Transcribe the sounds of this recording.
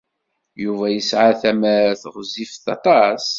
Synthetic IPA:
juvæjəsʕaθæməɾθəʁzifθɑt̪ˤɑs

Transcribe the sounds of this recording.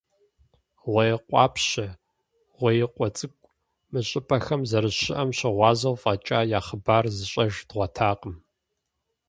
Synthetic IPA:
wɐjɛqʷʼɑ̰ːpʰɕɐ | ʁʷɔjɪqʷʼɔt͡sʼɨkʷʼ | mɨɕʼɪpʼɐxɐmzɐɾɨɕɪʔɐmɕɪʁʷɑːzɐwfʼɐt͡ʃʼaːjaːχəbaːrzɨɕʼɐʒdʁʷɐtʰaːqəm

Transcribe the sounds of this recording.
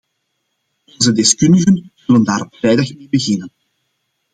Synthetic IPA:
ɔnzədɪskɵndəɣənz̥ɵləndaːɾɔpfrɛjdɑxmeːbəɣɪnən

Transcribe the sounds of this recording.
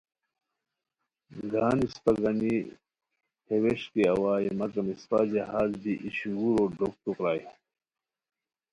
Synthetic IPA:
ɡaːnispɐɡɐni | hʰeweɕkiɐwaːjimɐkɐmispad͡ʑɐɦaːzbiʔiɕuɡuɾoːɖok̚t̪ukɾaːj

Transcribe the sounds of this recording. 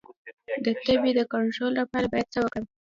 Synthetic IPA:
d̪ət̪əbid̪əkaɳʈɾolːapɑɾabɑjad̪̚t͡səwəkɽawi

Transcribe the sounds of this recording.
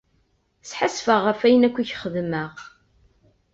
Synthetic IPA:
sħasfəʁːəfæjənækʷːiçχəðməʁ

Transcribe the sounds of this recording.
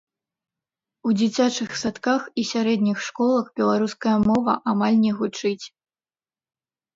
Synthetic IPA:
ud͡zʲat͡sʲat͡ʂɨxsat̪kaxisʲaɾɛd̪̚nʲixʂkɔlˠɐxbʲɛlˠaɾuskɐjɐmɔvɐ̰ʔamalʲnʲɛɣut͡ʂɨt͡sʲ

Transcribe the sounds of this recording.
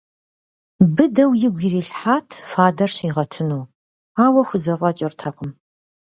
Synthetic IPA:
bɨdɐwjɪɡʷiːriːɬħaːtʰfaːdɐrɕiːʁɐtʰɨnuː | aːwɐxʷʊzɐʁʼɐt͡ʃʼɐrtʰɐqəm

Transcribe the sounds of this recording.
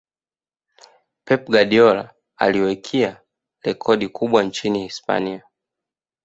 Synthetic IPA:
pɛp̚ɡaɗiɔla̰ | a̰liɔwɛkʰia | lɛkʰɔɗikʰuɓwant͡ʃinihispa̰nia

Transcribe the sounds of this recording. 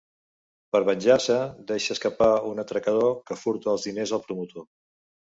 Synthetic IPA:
pəɾβənʲʒasəd̪ɛʃəːskəpaunət̪ɾəkəð̞okəfuɾt̪əəːlˠzðinezəlˠpɾumut̪o

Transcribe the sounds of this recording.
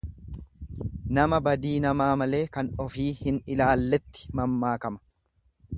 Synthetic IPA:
nɐmɐbɐd̪iːnɐmaːmɐle̞ːkɐnɔfiːhɪnɪlaːlːɛt̪ːɪ̥mɐmːaːkɐmɐ̥

